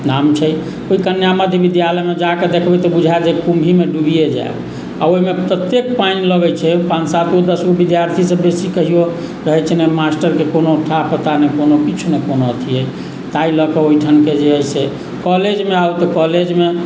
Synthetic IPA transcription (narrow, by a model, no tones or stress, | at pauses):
namt͡ʃʰɛ | oikənjaməd̪ʱjəbid̪jaləjmed͡ʒaked̪ekʰbɛt̪ɔbud͡ʒʱaed͡ʒekumbʱimeɖuɡijed͡ʒa̰e | a̰oɦimepɾət̪jek̚painləɡət͡ʃʰɛpãnt͡ʃsat̪od̪əsɡobid̪jaɾt̪ʰisəbbesikəɦijo | ɾəɦɛt͡ʃʰɛnemasʈəɾkekonoʈʰapət̪anekonokit͡ʃʰunekonoət̪ʰiɛ | t̪ailəkɔoiʈʰənked͡ʒeəise | kɔled͡ʒmeawt̪ɔkɔled͡ʒme